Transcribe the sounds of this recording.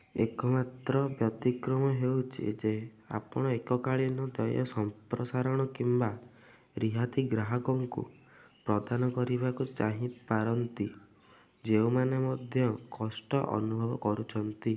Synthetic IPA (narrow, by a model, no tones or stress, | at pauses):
ekɔmat̪ɾɔbjɔt̪ikɾɔmɔɦewt͡ʃʰḭd͡ʒe | a̰pɔɽ̃ɔekɔkaɭinɔd̪ɔjɔ̰sɔmpɾɔsaɾɔɽ̃ɔkimba | ɾiɦat̪iɡɾaɦɔkɔŋkṵpɾɔd̪anɔkɔɾibakut͡ʃaɦĩpaɾɔnt̪i | d͡ʒeumanemɔd̪ʱjɔkɔsʈɔʔɔ̰nubʱɔbɔkɔɾut͡ʃʰɔnt̪i